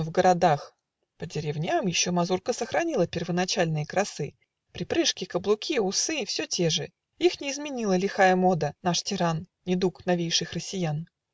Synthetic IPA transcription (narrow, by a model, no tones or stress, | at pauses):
vɡəɾɐd̪ax | pədʲɪɾʲɪvnʲamjɪɕːomɐzurkəsəxɾɐnʲilˠəpʲɪrvənɐt͡ɕalʲnɨjəkɾɐsɨ | pɾʲɪpɾɨʂkʲɪkəblˠʊkʲiʊsɨfsʲotʲe̞ʐɨ | ixnʲɪːzmʲɪnʲilˠəlʲɪxajəmo̞d̪ənaʂtʲɪɾannʲɪd̪uknɐvʲejʂɨxrəsʲɪjan